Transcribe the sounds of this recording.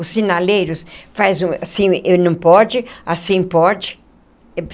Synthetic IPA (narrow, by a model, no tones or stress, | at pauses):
ʊsːinalejɾʊsfazũasĩewnɐ̃w̃pɔd͡ʒɪasĩpɔd͡ʒɪ